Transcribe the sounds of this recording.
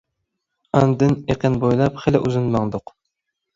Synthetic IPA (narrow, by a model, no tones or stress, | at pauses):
ɑnd̪ɨneqɪnbojlˠɑpχelɪʔyzɪnmɑŋd̪ʊq